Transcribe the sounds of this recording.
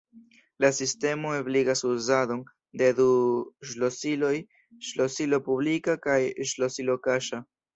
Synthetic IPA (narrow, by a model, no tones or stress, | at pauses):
lasiste̞mo̞ebliɡasuzado̞n | de̞duʃlosilo̞j | ʃlosilo̞publikakajʃlosilo̞kaʃa